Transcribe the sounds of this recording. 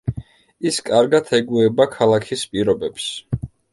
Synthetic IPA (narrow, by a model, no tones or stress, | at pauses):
iskʼaɾɡat̪ʰɛɡuɛbakʰalˠakʰispʼiɾɔbɛps